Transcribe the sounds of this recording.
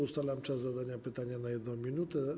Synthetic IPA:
ust̪alɛmt͡ʂazːad̪aɲapɘt̪aɲanajɛd̪nɔ̃w̃mʲinut̪ɛ

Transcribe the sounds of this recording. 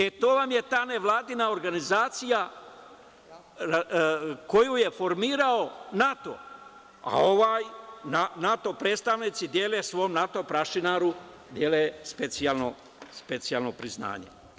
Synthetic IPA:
et̪oːʋamje̞t̪aːne̞ʋlˠaːd̪inaoɾɡanizaːt̪sija | ako̞juje̞fo̞ɾmiːɾao̞nat̪o̰ | a̰o̞ʋaːjnanat̪o̞pɾeːt̪st̪aʋnit̪sid̪je̞ːlesʋo̞mnat̪o̞pɾaʃinaɾu | d̪jeːlespet̪sijalno | spet̪sijaːlnopɾizna̰ːɲḛ

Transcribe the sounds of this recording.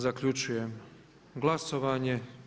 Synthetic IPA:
zakʎut͡ʃujem | ɡlˠaso̞ʋaːɲe̞

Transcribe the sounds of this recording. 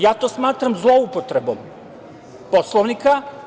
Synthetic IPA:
jaːt̪o̞ːsmaːt̪ɾamzlˠo̞upot̪ɾebo̰m | poslˠoʋnika

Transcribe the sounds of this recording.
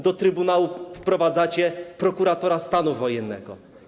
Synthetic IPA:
d̪ɔt̪ɾɘbunawufpɾɔvad̪zat͡ɕɛpɾɔkuɾat̪ɔɾast̪anuvɔjɛnːɛ̰ɡɔ̰

